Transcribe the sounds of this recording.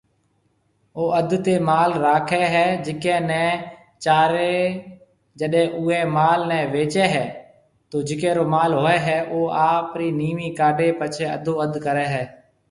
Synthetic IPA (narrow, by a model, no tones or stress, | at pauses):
oːəd̪ʱt̪eːmaːlɾaːkʰɛːɦɛːd͡ʒɪkɛ̃ːnɛ̃ː | t͡ʃaːɾeː | d͡ʒəɗɦɛ̃ːʔʊːɦɛ̃ːmaːlnɛ̃ːʋeːt͡ʃɛːɦɛː | t̪oːd͡ʒɪkɛ̃ːɾoːmaːlɦoːɛːɦɛːʔoːaːpɾiːniːmiːkaːɖeːpət͡ʃʰeːə̰d̪ʱoːəd̪ʱkəɾɛːɦɛː